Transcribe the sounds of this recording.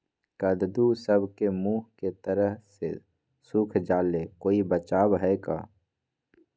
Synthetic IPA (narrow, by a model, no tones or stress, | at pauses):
kəd̪d̪usəbʱkemuːɦket̪əɾəɦsḛ | suːkʰd͡ʒaːlekoːibət͡ʃaːbɦɛka̰ː